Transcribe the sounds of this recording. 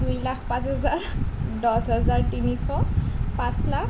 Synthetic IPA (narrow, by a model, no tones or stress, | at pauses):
dujlakʰpãsɦɛzaɹdɔsɦɛzaɹtinixɔpãslak